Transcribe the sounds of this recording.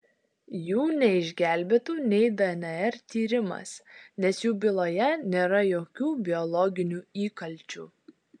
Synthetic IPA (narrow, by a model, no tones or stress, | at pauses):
juːnʲɛɪʒʲɡʲæːˑlʲbʲeːt̪uːnʲɛɪd̪ɐɛnʲɛɛɾt̪ʲiːɾʲɪmɐ̰snʲɛsjuːbʲɪlˠoːjɛnʲeːɾɐjoːkʲuːbʲɪɔlˠɔɡʲɪnʲuːiːkɐlʲˑt͡ʃʲuː